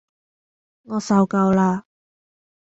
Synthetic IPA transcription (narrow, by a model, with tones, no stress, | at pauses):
ŋɔː˨˧sɐ˧wkɐ˧wlaː˧